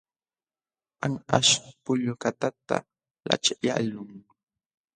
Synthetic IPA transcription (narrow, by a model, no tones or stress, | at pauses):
aŋaʃpʊʎʊkat̪at̪a̰ | la̰t͡ʃaʎa̰lʊŋ